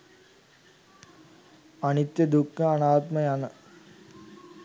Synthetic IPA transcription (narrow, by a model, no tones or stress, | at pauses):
ɐnit̪jɐd̪ukːɐɐnaːt̪mɐjɐnɐ